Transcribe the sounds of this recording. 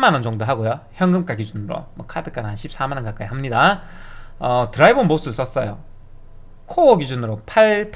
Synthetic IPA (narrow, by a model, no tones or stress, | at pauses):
manʌnt͡ɕʌŋdoɦaɡojoçjʌŋɡɯmk͈aɡid͡ʑunɯɾo̰mwʌkʰadɯk͈anɦanɕʰip̚s͈amanʌnkak͈aiɦamɲida | ʌtɯɾaibonmos͈ɯbis͈ʌs͈ʌjo | kʰoːɡid͡ʑunɯɾopʰaɭpʰ